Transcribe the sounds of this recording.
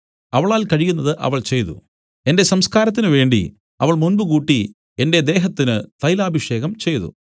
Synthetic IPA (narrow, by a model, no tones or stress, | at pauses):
ɐʋɐɭaːlkɐɻijunːɐðɨʔɐ̰ʋɐɭt͡ɕe̞jt̪ṵ | e̞nde̞sɐmskaːɾɐt̪ːinɨʋe̞ːɳɖḭ | ɐʋɐɭmunbɨkuːʈːi | e̞nde̞d̪e̞ːɦɐt̪ːinɨt̪ɐjlaːbʱiʂe̞ːɣɐmt͡ɕe̞jt̪ṵ